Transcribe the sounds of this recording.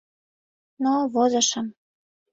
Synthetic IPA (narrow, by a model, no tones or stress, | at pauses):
noβozɤ̆ʃɤ̆m